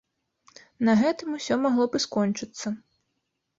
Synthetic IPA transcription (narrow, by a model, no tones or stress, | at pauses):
nɐɣɛt̪ɨmusʲɔmaɣlˠɔbɨskɔnʲt͡ʂɨt̪sːɐ